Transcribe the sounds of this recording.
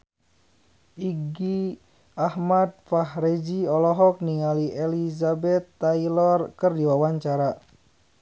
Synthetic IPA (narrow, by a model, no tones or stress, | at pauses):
ʔiɡi | ahmad̪̚fahɾed͡ʒiɔlɔɦɔk̚niŋaliʔelizabɛt̪ːailɔrkərdiwawaɲt͡ʃaɾa